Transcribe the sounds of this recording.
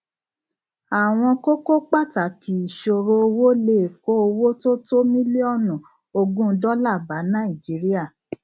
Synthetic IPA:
a˨w̃ɔ̃˧ko˦ko˦k͡pa˦˨ta˨˦ki˨i˨ʃo˧ɾo˦o˧wo˦le˦˨ko˦o˧wo˦to˦to˦mĩ˦li˦ɔ˦˨nɔ̃˨ | o˧ɡũ˦dɔ˦la˦˨ba˨˦nã˦i˨d͡ʒi˨˦ɾi˦a˦˨

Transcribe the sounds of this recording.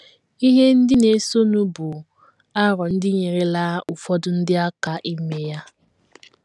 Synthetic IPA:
i˦ɦe˦n̩˦dɪ˦ne˨˦so˦nu˦bʊ˨ | a˦ɾɔ˨n̩˦dɪ˦ɲe˨ɾe˨laː˦u˨fɔ˦dʊ˨n̩˦dɪ˦a˦ka˨ʔi˦me˦ja˦

